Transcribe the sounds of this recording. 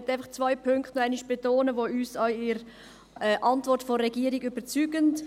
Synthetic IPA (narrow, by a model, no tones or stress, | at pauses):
tːaɪfɐχt͡svœɪpʰʏŋktnaɪniʃb̥etoːnəvoːyːsaɪɾ | ɛʔɑntvɔɾtfɔːɛɡiəɾiɡʏb̥ət͡syːɡənt